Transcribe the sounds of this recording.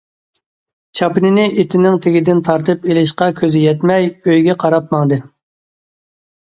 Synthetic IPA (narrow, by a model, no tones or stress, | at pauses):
t͡ʃʰɑpɨnɪnɪet̪ʰɪnɪŋt̪ʰɪɡʲid̪ɪnt̪ʰɑɾt̪ʰɨpelɪʃqɑkʲʰøzɪjɛt̪mɛjøjɡʲɛqʰɑɾɑp̚mɑŋd̪ɨ